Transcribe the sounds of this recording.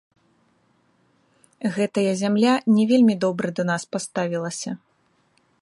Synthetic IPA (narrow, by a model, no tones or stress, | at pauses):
ɣɛt̪ɐjɐzʲamlʲanʲɛvʲelʲmʲid̪ɔbɾɨd̪ɐnaspast̪avʲilˠɐsʲɐ